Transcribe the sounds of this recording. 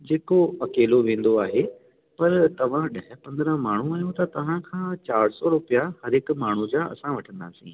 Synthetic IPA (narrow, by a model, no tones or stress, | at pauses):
d͡ʑeːkoɐkeːloʋẽːn̆d̪oaːɦe | pɐɾt̪ɐʋ̤ãɗɐɦɪpɐ̃nd̪ɾə̃ɦmaːɳ̤ũaːjõt̪ɐt̪ɐʋ̤ãkʰãːt͡ɕaːɾsɔɾʊpijahɐɾɦɪkmaːɳ̤ũd͡ʑaːɐ̰sãʋɐʈʰə̃nd̪a̰ːsḭ̃ː